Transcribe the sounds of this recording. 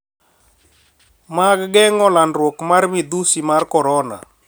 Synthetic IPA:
maɡɡɛŋɔlanɾwokmarmɪd̪usimarkɔɾɔna̰

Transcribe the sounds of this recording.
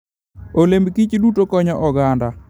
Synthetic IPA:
olembkit͡ʃdutokɔɲɔʔɔɡanda

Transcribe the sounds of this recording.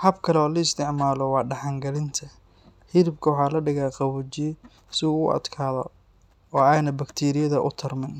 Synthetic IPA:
hɐbkʰɐlɛɔːlɐɪst̪ʰɪʕmaːlɔwɑːɖɑħɑŋɡɐlɪnt̪ʰɐ | hɪɾɪbkʰɐwɑħɑːlɐɖɪɣaːqɑwʊt͡ʃ | sɪuːʊʔɐ̰d̪kʰaːðɔ̰ | ɔːɛːjnɐbɐkt̪ʰiːɾɪjɐðɐʔʊ̰t̪ʰɐrmɪn

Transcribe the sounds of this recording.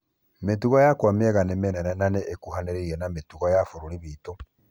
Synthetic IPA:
metuɣɔjakwameɛɣanemenɛnɛnaneʔekuhaneɾeiɾɛnametuɣɔjafoɾoɾiβiːto

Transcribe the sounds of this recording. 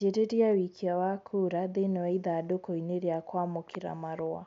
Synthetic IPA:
eɾeɾiawikʰiawakʰuɾaðenɛwaiðaːdokɔiniɾiakwamɔkʰiɾa̰maɾɔa̰

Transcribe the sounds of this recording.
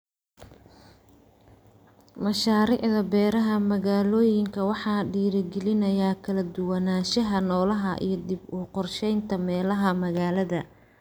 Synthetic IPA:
mɐʃaːɾiːʕðɐbɛːɾɐɦɐmɐɣaːlɔːjɪŋkʰɐwɑħɑːɖiːɾɐɡɛlɪnɐjaːkʰɐlɐd̪ʊwɐnaːʃɐɦɐnɔːlɐɦɐʔḭjɞd̪ɪbuːqɔrʃɛjnt̪ʰɐmɛːlɐɦɐmɐɣaːlɐðɐ

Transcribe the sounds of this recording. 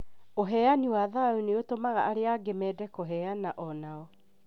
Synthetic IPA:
oɦɛaniwaðauneotomaɣaʔaɾeaɡemɛːdɛkoɦɛanaʔɔnaɔ

